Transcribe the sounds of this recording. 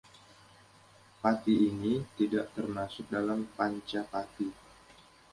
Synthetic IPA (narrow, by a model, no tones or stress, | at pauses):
pat̪iːnit̪idaʔt̪ərmasʊk̚dalampaɲt͡ʃapat̪i